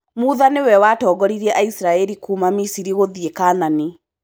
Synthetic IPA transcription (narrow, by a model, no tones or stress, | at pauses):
muːðanewɛwatɔːɡɔɾiɾɛʔaisiɾaɛɾikumamisiɾiɣoðiekaːnane